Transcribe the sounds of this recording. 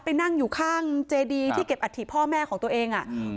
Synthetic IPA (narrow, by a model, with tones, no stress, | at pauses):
pa˧jna˥˩ŋjuː˨˩kʰaː˥˩ŋt͡ɕeː˧diː˧t̪ʰiː˥˩ke˨˩p̚ʔa˧t̪ʰːiː˨˩pʰːɔː˥˩mɛː˥˩kʰɔː˩˦t̪u˧ʔeː˧ŋʔa˨˩